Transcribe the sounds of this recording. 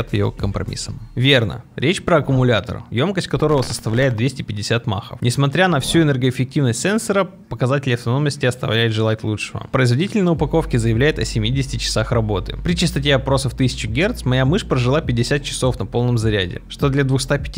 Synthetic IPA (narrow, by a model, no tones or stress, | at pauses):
at̪jɪ̰o̰kkəmpɾɐ̰mʲḭsəmvʲe̞rnə̰ɾʲʔet͡ɕpɾəɐkʊmʊlʲat̪ə̰rjo̞mkəsʲt̚ʲkɐt̪o̞ɾəvəsəst̪ɐvlʲæɪt̪̚d̪vʲesʲtʲɪpʲɪdʲɪsʲat̪ma̰xə̰fnʲɪsmɐt̪ɾʲanɐfsʲuɪnɛrɡəɪfʲɪk̚tʲivnəsʲtʲsɛnsəɾə | pəkɐzatʲɪlʲɪɐft̪ɐno̞mnəsʲtʲɪɐst̪ɐ̰vlʲæjʊt̪ʐɨlˠat̚ʲlˠuʂɨvə̰pɾəɪzvɐdʲitʲɪlʲnəʊpɐko̞fkʲɪzəjɪvlʲæjɪt̪ɐsʲɪmʲidʲɪsʲɪ̥tʲɪt͡ɕːɪ̥saxrɐbo̞t̪ɨ̰pɾʲɪt͡ɕɪst̪ɐtʲe̞ɐpɾo̞səft̪ɨsʲɪ̥t͡ɕɪɡʲert̪smɐjamɨʂpɾəʐɨlˠapʲɪdʲɪsʲat̪̚t͡ɕɪ̥so̞fnɐpo̞lˠnəmzɐɾʲæ̰dʲɪ̰ʂt̪o̞d̪lʲɐd̪vʊxst̪apʲɪtʲ